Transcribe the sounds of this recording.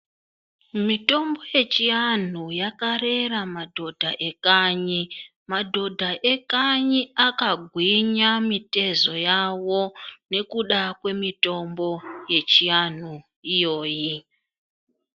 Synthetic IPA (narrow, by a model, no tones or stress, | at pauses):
mito̞mbo̞je̞t͡ʃian̤ujakare̞ramadʱo̞dʱaʔe̞kaɲi | madʱo̞dʱaʔe̞kaɲiakaɡʱwiɲamite̞zo̞jawo̞ne̞kuɗakwe̞mito̞mbo̞je̞t͡ʃian̤u | ijo̞ːji